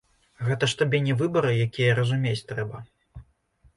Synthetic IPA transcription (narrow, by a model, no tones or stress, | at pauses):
ɣɛt̪ɐʂt̪abʲɛnʲɛvɨbɐɾɨjakʲijɐɾɐzumʲet͡sʲt̪ɾɛbɐ